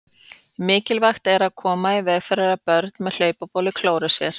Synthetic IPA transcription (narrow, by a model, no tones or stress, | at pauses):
mɪːcɪlvaxt̪ɛɾaðkʰɔːmaivɛːɣfɛɾaɾapœɾt̪nmɛðl̥œːɥpapɔːlɪkʰloːwɾasjɛɾ̥